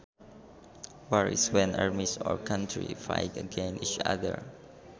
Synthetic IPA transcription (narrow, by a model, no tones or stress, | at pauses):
wɛɹḭswɛ̃na̰ɹmisɔ̰ɹkʰãntʰɹḭfa̰jtəɡɛ̃nit͡ʃa̰ðə̰ɹ